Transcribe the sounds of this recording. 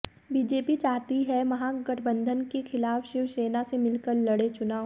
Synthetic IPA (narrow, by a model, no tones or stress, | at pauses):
biːd͡ʒeːpit͡ʃaːɦt̪iɦɛmɐɦãɡɐʈʰbə̃nd̪ʱənkexʰɪlaːfʃɪʋʃeːnasemɪlkəɾlɐɽet͡ʃʊnaːʋ